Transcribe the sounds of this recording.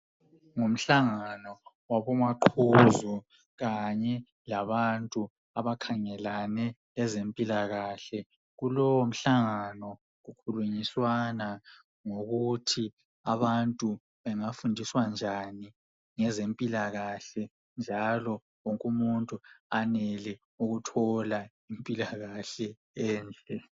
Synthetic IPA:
ŋom̩ɬaŋanɔ | waβɔmaǃʰuzu | ɣaɲɛ | laβantʼu | aβakʰaŋɛlanɛ | ɛzempʼilaɣaɬɛ | ɣulɔwɔm̩ɬaŋanɔ | ɣukʰuluɲiswana | ŋoɣutʰi | aβantʼu | βɛŋafundʱiswand͡ʒʱani | ŋɛzempʼilaɣaɬɛ | nd͡ʒʱalɔ | woŋkʼumuntʼuanɛlɛ | uɣutʰɔla | impʼilaɣaɬɛ | ɛːnd͡ɮʱɛ

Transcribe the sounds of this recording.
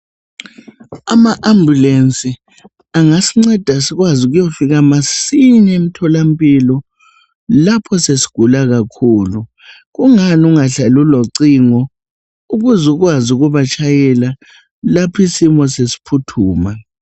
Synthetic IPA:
amaʔambʱjulensʼi | aŋasiŋ͡ǀɛd̥ʱasiɣwazuɣujofiɣamasinem̩tʰɔlampʼilɔ | lapʰɔsesi̥ɡ̥ʱulaɣakʰuːlu | ɣuŋanuŋaɬaluloǀiŋɔ | uɣuzuɣwazuɣuβat͡ʃʰʼajɛla | lapʰisimɔsesi̥pʰutʰuːma

